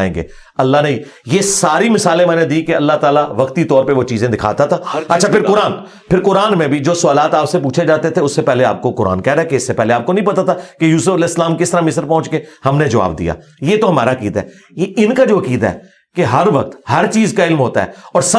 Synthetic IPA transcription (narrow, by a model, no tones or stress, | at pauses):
ḛ̃ːŋɡḛː | ɐlːanɐĩjesaːɾimɪsaːlẽmɛ̃ːned̪ikeɐlːaɦt̪aːlaʋɐkt̪it̪ɔːɾpeʋot͡ʃiːzẽd̪ɪkʰa̰ːt̪at̪ʰaːɐtːʃʰapʰɪɾkʊɾaːn | pʰɪɾkʊɾaːnmẽbʱid͡ʒoːsʊaːlaːt̪aːpsepuːt͡ʃʰed͡ʒaːt̪et̪ʰeʊsːepɛɦleaːp̚kokʊɾa̰ːnkɛːɾakeɪsːepɛːɦleaːp̚konəɐ̃ɦĩpɐt̪at̪ʰakejuːsəfɐlɛːɪsːlaːmkɪst̪əɾamɪsəɾpɔ̃ːt͡ʃkehɐmned͡ʒɐʋa̰ːbd̪ḭja̰ːjeːt̪oɦɐma̰ːɾaɐkiːd̪aɦɛ̰ː | jeʔɪnkad͡ʒoːɐkiːd̪aɦɛ̰ː | keɦɐɾʋɐk̚t̪hɐɾt͡ʃiːzkaɪlmɦoːt̪a̰ɦɛ̰ːɔːɾsɐ